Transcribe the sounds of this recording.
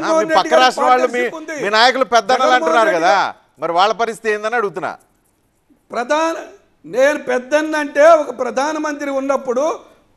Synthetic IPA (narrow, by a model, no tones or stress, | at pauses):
ɐpɐkkːɐɾaːʂʈɾɐ̃ʋaːɭːumiːmiːnaːjɐkulupɛd̪ːɐnːɐlɐɳunːaːɾkɐd̪aː | mɐɾiʋaːɭːɐpɐɾist̪it̪eːnd̪ɐnɐɽuɡut̪̬unːa̰ː | pɾɐd̪ʱaːnɐ | neːnupɛd̪ːɐnːɐɳʈe̞ːɔkɐpɾɐd̪ʱaːnɐmɐnt̪ɾiunːɐpːuɽu